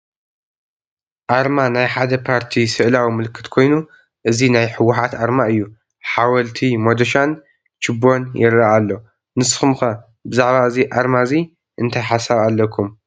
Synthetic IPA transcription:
ʔaɾmanajħad̪ɐpʰaɾt̪ʰisɨʔlawimɨlɨkʰːɨ̥t̪kʰo̞jnu | ʔɨzinajħɨwːʊħat̪aɾmaɨjːu | ħawɐlt̪ʰimod̪ɐʃan | t͡ʃɨbo̞njɪ̰ɾːaʔalːo̞ | nɨsxumxɐ | bɨzaʕbaɨziʔaɾmazi | ʔɨnt̪ʰajħasaβalːɐkʰum

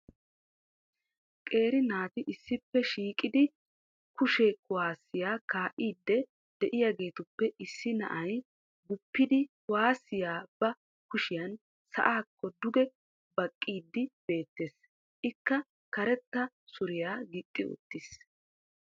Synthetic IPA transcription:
kʼe̞ːɾɪnaːt̪ɪʔɪsːɪpːɛʃiːkʼɪd̪ɪ | kʊʃɛkʊwaːsːɪjaːkaːʔiːd̪ːɛ | d̪̥ɛʔɪjaːɡe̞ːt̪ʊpːɛɪsːɪnɐ̰ʔɐj | ɡʊpːɪd̪ɪkʊwaːsːɪjaːbɐ | kʊʃɪjɐn | sɐ̰ʔaːkʰːɔd̪ʊɡɛ | bɐkʼːiːd̪ːɪb̥e̞ːt̪ːe̞ːs | ʔɪkːɐ | kɐɾɛt̪ːɐ | sʊɾɪjaːɡɪt̪ʼːɪʊ̰t̪ːɪs

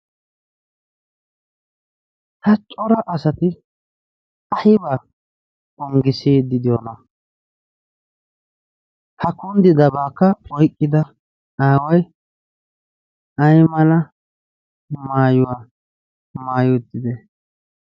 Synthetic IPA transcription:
t̪ɐt͡ʃʼɔɾɐʔɐsɐt̪ɪ | ɐhɪbaː | ɔŋɡɪseːd̪ɪd̪ɪjonɐ | hɐkʊnd̪ɪd̪ɐbaːkːɐɔjkʼːɪd̪ɐ | aːwɐj | ɐjmɐlɐ | maːjʊwaː | maːjʊt̪ːɪd̪ɛ

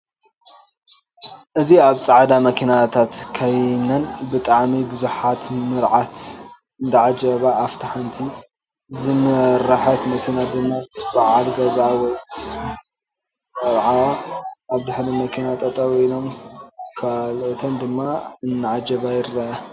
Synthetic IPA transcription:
ʔɨziaβt͡sʼaʕad̪amɐkʰinat̪ʰat̪kʰajnɐnbɨt̪ʼaʕmibɨzuħat̪mɨɾʕat̪ | ɨnd̪aʕad͡ʒɐβaːft̪ʰaħant̪ʰi | zɨmɨɾaħɐt̪mɐkʰinad̪ɨmːat̪sbaʕalɡɐzawɔjs | ɐɾʕawaaβd̪ɨħlimɐkʰinat̪ʼɐt̪ʼɐwinomkʰalot̪ʰɐnd̪ɨmːaɨnːaʕad͡ʒɐβajɪɾːɐʔa

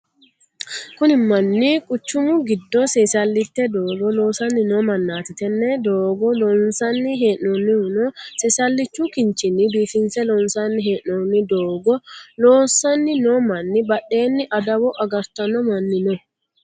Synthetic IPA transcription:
kʊnɪmɐnːikʼʊt͡ʃːʊmʊɡɪd̪ːɔsɛsɐlːɪt̪ːɛd̪oːɡɔloːsɐnːɪnoːmɐnːaːt̪ɪt̪ɛnːɛd̪oːɡɔlɔnsɐnːɪɦeːnonːɪhnɔsɛsɐlːɪt͡ʃːukɪnt͡ʃɪnːɪbiːfɪnsɛlɔnsɐnːɪɦeːʔonːɪd̪oːɡɔloːsɐnːɪnomɐnːɪbɐɗːe̞ːnːɪʔɐd̪ɐwɔʔɐɡɐɾt̪ɐnɔmɐnːɪnɔ

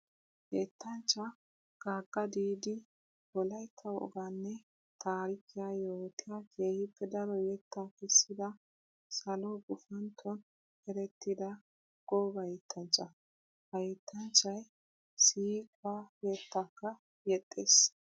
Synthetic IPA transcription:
het̪ːɐnt͡ʃːɐ | ɡ̥aːɡʼːɐd̪iːd̪ɪ | bɔlɐjkʰːɐwɔ̰ɡanːɛ | t̪aːɾɪkːɪjaːjo̞ːt̪ɪjaːkʰe̞ːhɪpʰːɛd̪ɐɾɔjɛt̪ːakɛsːɪd̪ɐ | sɐlɔɡʊfɐnt̪ʰːɔn | hɛɾɛt̪ːɪd̪ɐ | ɡ̥ɔbɐjɛt̪ʰːɐnt͡ʃʼːɐ | hɐjɛt̪ʰːɐnt͡ʃːɐj | siːkʼajɛt̪ːakːɐ | jɛt̪ʼːeːs

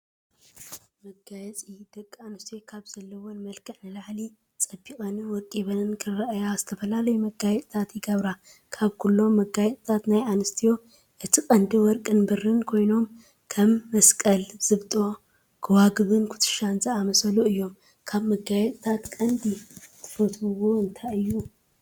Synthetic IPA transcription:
mɐɡajɛt͡sʼijd̪ɐkʼːanɨst̪ʰijokʰaβz̥ɐlːɐwonmɐlkʰɐħnɨlaʕli | t͡sʼɐbikʼɐnwɔɾkʼiβɐnkʰɨɐʔjaz̥ɨt̪ʰɐfɐlalɐjumɐɡajɛt̪ʼt̪ʰat̪jɪɡɐβɾa | kʰaβkʰulːo̞mːɐɡajɛt̪ʼt̪ʰat̪najʔanɨst̪ʰijo̞ | ʔɨt̪ʰikʼɐnd̪iwɔɾkʼɨnbɨrːɨnkʰo̞jno̞m | kʰɐmːɐskʼɐlz̥ɨβt̪ʼo̞ | kʰɨwaɡɨβɨnkʰʊ̥t̪ʰɨ̥ʃaɨnzʼɐamɐsɐluɨjːo̞m | kʰaβmɐɡajɛt̪ʼt̪ʰat̪kʼɐnd̪it̪ʰɨ̥fɐt̪ɨwoɨnt̪ʰaɨjːu

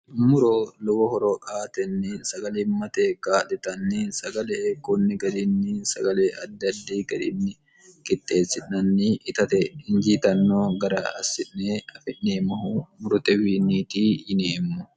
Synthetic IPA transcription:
mʊɾoːlɔwɔhɔɾoʔaːt̪ɛnːɪsɐɡɐlɪmːɐt̪eːkaːᶑɪt̪ɐnːɪsɐɡɐleːkʊnːɪɡɐd̪ɪnːɪsɐɡɐleːɐd̪ːɐd̪ːiːɡɐd̪ɪ̰nːɪ | kʼɪt̪ʼːe̞ːsːɪᶑɐnːɪʔɪt̪ɐt̪ɛɪnd͡ʒiːt̪ɐnːoːɡɐɾɐɐ̰sːɪʔneɐfɪʔneːmɐhʊmʊɾʊt̪ɛwiːnːiːt̪iːjɪneːmːʊ

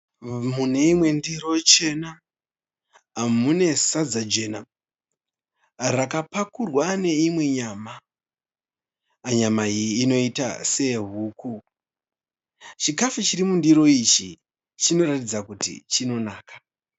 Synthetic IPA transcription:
mune̞imwe̞ndiro̞t͡ʃe̞na | mune̞sad͡zad͡ʒe̞ːna | rakapakurwane̞imwe̞ɲaːma | aɲamaiiːno̞ita̰se̞ɦuːku | t͡ʃikafut͡ʃiɾimundiɾo̞it͡ʃi | t͡ʃino̞ratid͡zakutḭt͡ʃino̞naːkḁ

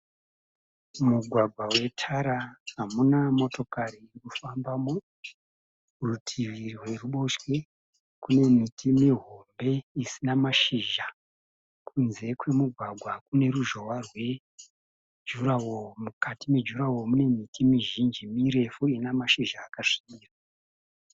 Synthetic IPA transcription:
muɡʱwaɡʱwawe̞tʰaɾaɦamunamo̞to̞kaɾiːrikufambamo | rutʰiʋirwe̞ruɓo̞ʃwe̞ | kune̞mitʰimiɦo̞mbe̞isinamaʃiʒa | kunze̞kwe̞muɡʱwaɡʱwakune̞ɾuʒo̞warwe̞ | d͡ʒuɾawomukatimed͡ʒuɾawo̞mune̞mitʰimiʒind͡ʒimiɾe̞fuinamaʃiʒaːkaʂi̥ɓiːra

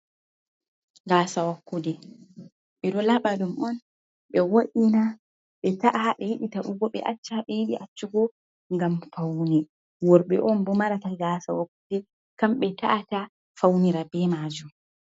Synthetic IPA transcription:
ɡaːsawakːudɛ | ɓɛɗɔlaɓadumɔn | ɓɛwoɗina | ɓɛtaʔaɓɛjiɓitaʔuɡɔɓɛ̰ʔa̰t͡ʃːaɓɛjiɓiʔat͡ʃːuɡɔ | ŋɡamfawni | wɔɾɓɛʔɔnbɔmaɾataɡasawakːudɛ | kamɓɛtaʔata | fawniɾabɛmad͡ʒum

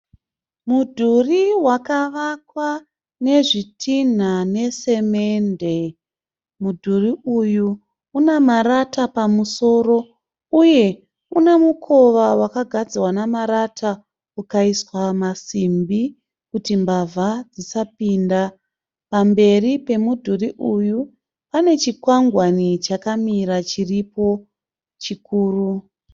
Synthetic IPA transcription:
mudʱuriwakaʋakwa | ne̞ʐitʰin̤ane̞se̞me̞nde̞ | mudʱuriuju | unamaɾatapamuso̞ɾo̞ | uje̞ | unemukʰo̞ʋawakaɡʱad͡ziwanamaɾatʰa | ukaiswamasimbi | kutimbavʱad͡zisapinda | pambe̞ripe̞mudʱuriʔuju | pane̞t͡ʃikwaŋɡwanit͡ʃakamiɾat͡ʃiripo̞ | t͡ʃikuːru

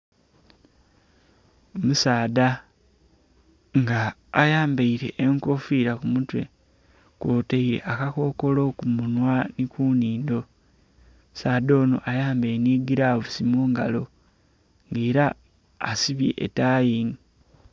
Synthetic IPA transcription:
omusaːda | ŋɡaːjaːmbeiɾe̞ʔeŋko̞fiɾakumutwe̞ | kwoːteiɾe̞̰ʔakako̞ko̞lo̞kumunwanikuːniːndo̞ | saːdo̞ːno̰ʔajaːmbeniːɡiɾaβusimoːŋɡalo̞ | ŋɡeːɾaː | siβjḛʔːtaːjiːni

